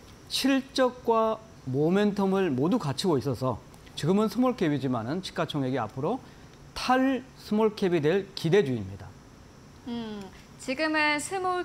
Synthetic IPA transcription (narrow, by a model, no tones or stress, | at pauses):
ɕʰiɭt͡ɕ͈ʌk̚k͈wa | mome̞ntʰʌmɯɭmodukat͡ɕʰiɡois͈ʌsʰʌ | t͡ɕiɡɯmɯnsʰɯmoɭkʰebid͡ʑimanɯnt͡ɕʰi̥k͈at͡ɕʰoŋe̞ɡia̰pʰɯɾo | tʰaɭsʰɯmoɭkʰebidwe̞ɭkide̞d͡ʑuimɲida | ɯ | t͡ɕiɡɯmesʰemo